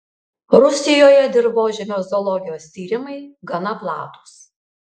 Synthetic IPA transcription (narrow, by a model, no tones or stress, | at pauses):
ɾʊsʲɪjoːjɛd̪ʲɪɾboːʒʲɛmʲoːzɔlˠɔɡʲɪjoːsʲt̪ʲiːɾʲɪmɐɪɡɐnɐplˠɑːt̪u̥s